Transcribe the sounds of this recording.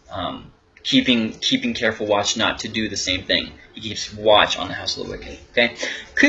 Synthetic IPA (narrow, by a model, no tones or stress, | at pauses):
ʌ̃m | kʰipɪ̃ŋkʰipɪ̃ŋkʰɛɹfl̩ˠwɑt͡ʃnə̰tʰɨdɨðɨsẽɪ̃mθɪ̰̃ŋhikʰivswɑt͡ʃn̩ðɨhaʊsl̩ˠo̰wɪ̰kɨ̃toʊkʰeɪkʰɨ